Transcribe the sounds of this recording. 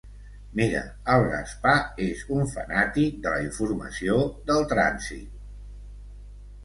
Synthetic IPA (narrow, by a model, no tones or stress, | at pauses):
miɾə̰ | əlˠrə̰spaezuɱfə̰nat̪id̪ələiɱfurmə̰sioðəlˠt̪ɾa̰nzḭt̪̚